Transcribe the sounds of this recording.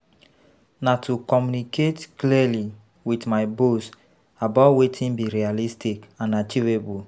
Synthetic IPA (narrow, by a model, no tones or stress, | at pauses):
natukɔmjuniketkliali | witmaɪbos | abatwetʰĩnbiɾialistikãnat͡ʃivebu